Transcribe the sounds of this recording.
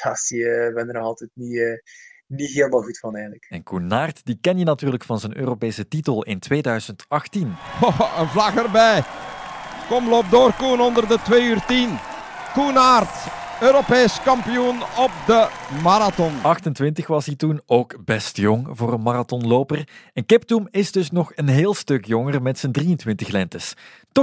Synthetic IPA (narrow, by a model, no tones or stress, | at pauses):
pʰasiəbɛnəɾnɑlˠtɛtniəniɦeːlˠəmaːlˠɣutfɑnɛːɣənləkɛnkunaːrtdikɛndinɑtyːrləkfɑnzənø̰ːropeːsətitəlˠɪntʋeːdœɥz̥əntɑxtinoənvlɑɣərbɛj | kɔmloːp̚doːrkunɔndərdətʋeːyːrtin | kunaːrt | øːɾopeːskɑmpijunɔp̚d̪əmaɾatɔnɑxtəntʋɪntəxʋɑsɦitunoːkbɛstjoŋvoːrənmaratɔnloːpərɛnkɪp̚tumɪzdɵsnɔxənɦeːlˠstɵkjɔŋərmɛtsəndrijəntʋɪntəxlɛntəs | tɔ